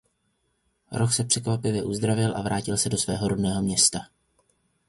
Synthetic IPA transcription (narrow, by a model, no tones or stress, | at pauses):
ɾoxsɛpr̝̥ɛkvapɪvjɛʔuzd̪ɾavɪlʔa̰vɾʔaːcɪlsɛdo̞svɛ̰ːɦo̞ɾodnɛːɦo̞mɲɛst̪a